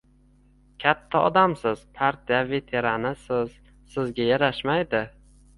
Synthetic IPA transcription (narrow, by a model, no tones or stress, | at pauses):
kʲʰat̪ʰːaɒd̪amsɪz̥pʰaɾt̪ʰijave̞t̪ʰe̞ɾanɪsɪz̥ | sɪzɡʲajaɾaʃmajd̪ɪ